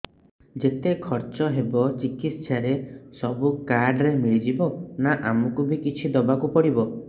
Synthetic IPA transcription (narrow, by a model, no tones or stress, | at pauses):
d͡ʒet̪ekʰɔɾt͡ʃɔɦebɔt͡ʃikit̪t͡ʃaɾesɔbukaɾɖɾemiɭid͡ʒibɔnaʔamɔkubikit͡ʃʰid̪ɔbakupɔɽibɔ